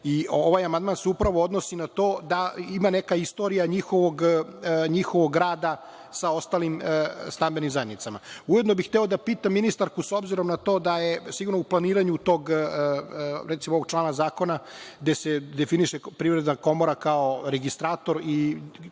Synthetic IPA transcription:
ioʋaːjamand̪maːnseupɾaʋood̪no̞sinat̪oːd̪aimane̞kaist̪o̞ɾijaɲixo̞ʋoɡɲixo̞ʋoɡːɾaːd̪a | sao̞st̪alimst̪ambenimzajed̪nit̪sama̰uje̞d̪nobixt̪ɛo̞d̪apiːt̪amːinist̪aɾkusobziɾo̞mnat̪o̞ːd̪ajesiɡuɾnouplaniːɾaɲut̪o̞ːɡ | ɾɛt̪simooʋoɡ̥̚t͡ʃlˠaːnazaːko̞naɡd̪e̞sed̪efiniʃepɾivɾed̪nako̞moɾakaoɾeɡist̪ɾaːt̪o̞ɾi

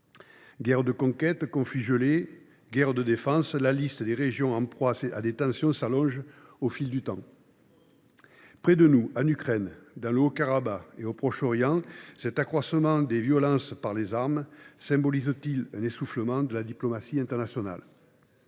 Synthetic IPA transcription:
ɡɛʁd̪əkɔ̃kɛt̪kɔ̃fyʒəle | ɡɛʁd̪əd̪efɑ̃slalist̪əd̪eʁeʒjɔ̃ɑ̃pχwaa̰d̪et̪ɑ̃sjɔ̃salɔ̃ʒofild̪yt̪ɑ̰̃ | pχɛd̪ənuanykχɛnd̪ɑ̃ləokaʁabaeopχɔʃɔʁjɑ̃sɛt̪akχwasəmɑ̃d̪evjɔlɑ̃spaʁlezaʁmsɛ̃mbɔlizət̪ilɛ̃nesufləmɑ̃d̪əlad̪iplɔmasiɛ̃nt̪ɛʁnasjɔna̰l

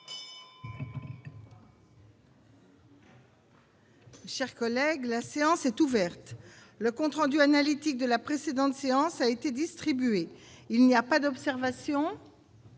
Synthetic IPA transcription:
ʃɛʁkɔlɛɡlaseɑ̃sɛt̪uvɛʁt̪ | ləkɔ̃t̪χɑ̃d̪yanalit̪ik̚d̪əlapχesed̪ɑ̃t̪seɑ̃saet̪ed̪ist̪χibyeilniapad̪ɔpsɛʁvasjɔ̃

